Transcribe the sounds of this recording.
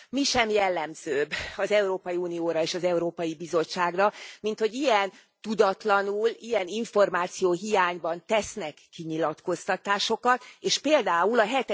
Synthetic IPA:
miʃɛmjɛlːɛmzøːbɒzɛuɾoːpɒjiuːnijoːɾɒeːʃɒzɛuɾoːpɒjibizo̞t͡ʃːaːɡrɒmint̪ho̞ɟijɛn | t̪ud̪ɒt̪lɒnulijɛniɱfo̞rmaːt̪sijoːɦijaːɲbɒnt̪ɛsnɛkːiɲilɒt̪ko̞st̪ɒt̪aːʃo̞kɒt̪eːʃpeːld̪aːulɒɦɛt̪ɛ

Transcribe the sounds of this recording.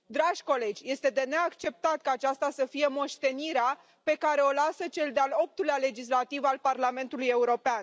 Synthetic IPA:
d̪ɾaʒʲko̞le̞d͡ʒʲje̞st̪e̞d̪e̞ne̞akt͡ʃe̞p̚t̪at̪̚kaːt͡ʃast̪asəfije̞mo̞ʃt̪e̞niɾea | pe̞kaɾe̞o̞lasət͡ʃe̞ld̪ealo̞p̚t̪uleale̞d͡ʒis̬lat̪ivalparlame̞nt̪uluje̞uɾo̞pean

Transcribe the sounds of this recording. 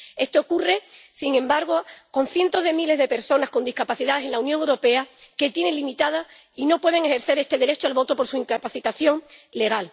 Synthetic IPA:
e̞st̪o̞ːkure̞siŋẽ̞mbaɾɣ̞o̞ko̞n̟θje̞nt̪o̞zðe̞mile̞zðe̞pe̞ɾso̞nasko̞nd̪ihkapaθiðaðesenlaunjõŋewɾo̞pe̞ake̞t̪je̞ne̞ŋlimit̪að̞a | ino̞pwe̞ð̞e̞ŋe̞xe̞ɾθe̞ɾe̞st̪e̞ðe̞ɾe̞t͡ʃoalβo̞t̪opo̞ɾsuiŋkapaθit̪aθjo̞ŋle̞ɣ̞al

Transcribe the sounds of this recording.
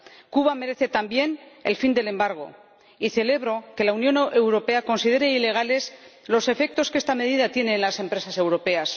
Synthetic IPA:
kuβame̞ɾe̞θe̞t̪ambje̞ne̞̰lfind̪e̞le̞mbaɾɣ̞o̞̰ | iθe̞le̞βɾo̞ke̞launjo̞ne̞wɾo̞pe̞ako̞nsiðe̞ɾeile̞ɣ̞ale̞slo̞se̞fe̞k̚t̪o̞ske̞st̪ame̞ðiðat̪je̞ne̞ːnlase̞mpɾe̞sasewɾo̞pe̞as

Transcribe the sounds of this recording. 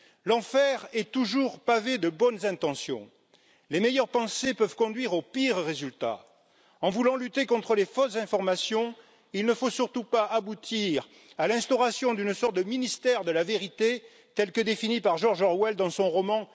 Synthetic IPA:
lɑ̃fɛʁɛt̪uʒuʁpaved̪əbɔnzɛ̃t̪ɑ̃sjɔ̰̃ | lemejœʁpɑ̃sepœvkɔ̃d̪ɥiʁopiʁːezylt̪a̰ | ɑ̃vulɑ̃lyt̪ekɔ̃t̪χəlefɔszɛ̃fɔʁmasjɔ̃ | ilnəfosyʁt̪upaʔabut̪ʰiʁ | alɛ̃st̪ɔʁasjɔ̃d̪ynsɔʁt̪̚d̪əminist̪ɛʁd̪əlaveʁit̪e | t̪ɛlkəd̪efinipaʁʒɔʁʒɔʁwɛld̪ɑ̃sɔ̃ʁɔmɑ̃

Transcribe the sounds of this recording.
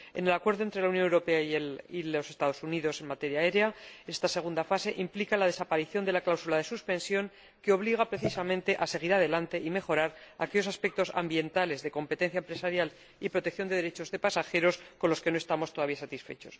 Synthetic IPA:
e̞̰ne̞lakwe̞ɾðont̪ɾe̞launjonewɾo̞pe̞aielilo̞se̞st̪aðo̞suniðo̞se̞nmat̪e̞ɾjae̞ɾeaest̪ase̞ɣ̞und̪afase̞ʔimplikalað̞e̞sapaɾiθjo̞nd̪e̞laklawsulaðe̞suspẽ̞nsjo̞ŋ | keo̞βliɣapɾe̞θisamẽ̞nt̪e̞ʔase̞ɣ̞iɾaðe̞lant̪e̞ʔime̞xo̞ɾaɾake̞ʝo̞saspe̞k̚t̪o̞sa̰mbje̞nt̪ale̞zðe̞ko̞mpet̪e̞n̟θjaempɾesaɾjal | ipɾo̞t̪ek̚θjo̞nd̪e̞ðe̞ɾe̞t͡ʃo̞zðepasaxe̞ɾo̞sko̞nlo̞ske̞noe̞st̪amo̞st̪o̞ðaβiasat̪isfe̞t͡ʃo̞s

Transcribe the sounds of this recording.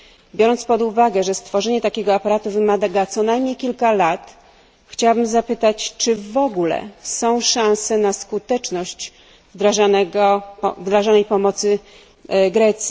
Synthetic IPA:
bʲjɔɾɔnt̪spɔd̪uvaɡɛʐɛst̪fɔʐɛɲɛt̪akʲɛɡɔapaɾat̪uvɘmad̪aɡat̪sɔnajmɲejkʲilkalat̪ | xt͡ɕawabɘmzapɘt̪at͡ɕt͡ʂɘvɔɡulɛ̰sɔ̃w̃ʂãñsɛnaskut̪ɛt͡ʂnɔɕt͡ɕ | vd̪ɾaʐanɛɡɔvd̪ɾaʐanɛjpɔmɔt̪sɘ | ɡɾɛt̪sʲji

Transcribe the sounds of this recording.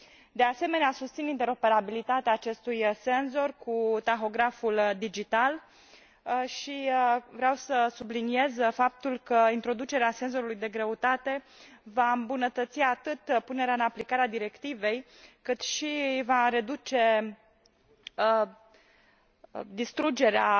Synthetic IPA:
d̪e̞ase̞me̞neasust̪sinint̪e̞ɾo̞pe̞ɾabilit̪at̪eaːt͡ʃe̞st̪ujse̞nzo̞rkut̪axo̞ɡɾafuld̪id͡ʒit̪al | ʃivɾeawsəsublinie̞zfap̚t̪ulkəint̪ɾo̞d̪ut͡ʃe̞ɾease̞nzo̞ɾulujd̪e̞ɡɾeut̪at̪e̞ | vaɨmbunət̪ət̪siat̪ɨt̪pune̞ɾeaɨnaplikaɾead̪iɾe̞kt̪ive̞j | kɨt̪ʃivaɾe̞d̪ut͡ʃe̞ | ə | d̪ist̪ɾud͡ʒe̞ɾea

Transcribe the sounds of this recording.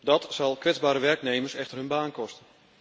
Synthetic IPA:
dɔtsɑlˠkʋɪzbaːɾəʋɛrknejmərsɛxtərɦɵnbaːnkɔstə

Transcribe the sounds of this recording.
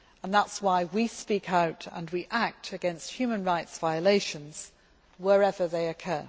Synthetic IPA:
ə̃nðætswaɪwispikʰaʊɾə̰̃nwiʔæk̚tʰɨɡɛ̃nst̚hjʉmɨ̃nɹaɪtsv̥aɪəleɪʃɨ̃nz̥ | wəɹɛvə˞ðeɪɨkʰɜ˞

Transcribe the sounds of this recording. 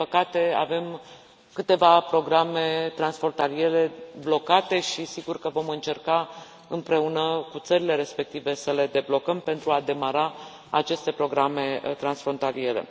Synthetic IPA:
ipəkat̪e̞a̰ve̞m | kɨt̪e̞vapɾo̞ɡɾame̞t̪ɾansfɾo̞nt̪alie̞ɾe̞blo̞kat̪e̞ʃisiɡurkəvo̞mɨnt͡ʃe̞rka | ɨmpɾe̞unəkut̪səɾile̞ɾe̞spe̞k̚t̪ive̞səle̞d̪e̞blo̞kəmpe̞nt̪ɾuad̪e̞maɾa | a̰t͡ʃe̞st̪e̞pɾo̞ɡɾame̞t̪ɾansfɾo̞nt̪alie̞ɾe̞̰

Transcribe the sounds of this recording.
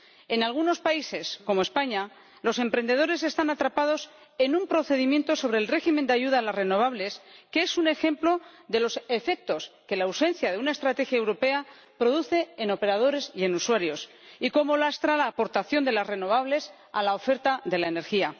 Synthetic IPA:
e̞nalɣ̞uno̞spaise̞sko̞moe̞spaɲa | lo̞se̞mpɾe̞nd̪e̞ð̞o̞ɾe̞se̞st̪anat̪ɾapað̞o̞s | e̞numpɾo̞θe̞ðimjẽ̞nt̪o̞so̞β̞ɾe̞ːlre̞ximend̪eaʝuð̞aːlazre̞no̞β̞aβle̞skeesune̞xe̞mplo̞ðe̞lo̞se̞fe̞k̚t̪o̞ske̞lawsẽ̞n̟θjaðe̞unaest̪ɾat̪e̞xjaewɾo̞pe̞a | pɾo̞ðuθe̞ːno̞pe̞ɾað̞o̞ɾe̞sie̞nuswaɾjo̞s | iko̞mo̞last̪ɾalaːpo̞ɾt̪aθjo̞nd̪e̞lasre̞no̞β̞aβle̞s | a̰laofe̞ɾt̪aðe̞laene̞ɾxia

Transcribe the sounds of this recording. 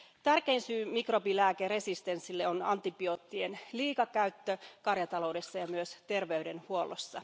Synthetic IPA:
t̪ærke̞insyːmikro̞bilæːkere̞sist̪e̞nsːilːeonɑ̰nt̪ibio̞t̪ːienliːkɑkæyt̪ːøkɑrjɑt̪ɑlo̞wde̞sːɑjɑmyøst̪e̞rʋe̞yde̞nhuo̞lo̞̰sːɑ̰

